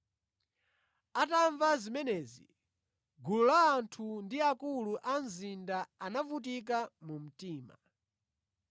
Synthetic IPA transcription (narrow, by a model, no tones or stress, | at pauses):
ataɱvazimɛnɛzḭ | ɡululaːntʰundiakuluʔanzindaanavut̬ik̬amum̩tiːma̰